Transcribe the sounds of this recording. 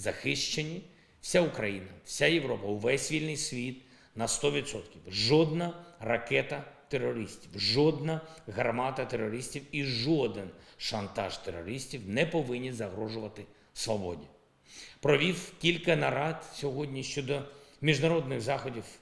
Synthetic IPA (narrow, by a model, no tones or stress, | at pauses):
zɐxɪʃt͡ʃenʲːi | fsʲaʊkɾɐjinɐwsʲajeʋɾɔpɐʊʋɛsʲʋʲilʲnɪjsʲʋʲit̪ | nɐst̪ɔʋʲid̪sɔt̪kʲiwʒɔd̪nɐrɐkɛt̪ɐt̪erːɔɾɪsʲtʲiwʒɔd̪nɐɦɐrmɑt̪ɐt̪erːɔɾɪsʲtʲiwiʒɔd̪ɪnʃɐnt̪ɑʒt̪erɔɾɪsʲtʲiwnɛpɔʋɪnʲːizɐɦɾɔʒʊʋɐt̪ɪ | sʋɔbɔdʲnʲi | pɾɔʋʲiwkʲilʲkɐnɐɾɑd̪sʲɔɦɔdʲnʲiʃt͡ʃɔd̪ɔmʲiʒnɐɾɔd̪nɪɣzɑxɔdʲiw